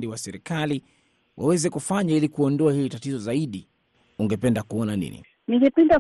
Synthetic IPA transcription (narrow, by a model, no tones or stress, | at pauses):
diwasɛɾikali | wʔawɛzɛkufaɲailikuɔndɔahilitatizɔzaiɗi | uŋɡɛpɛndakuɔnanḭnḭ | niŋɡɛpɛnda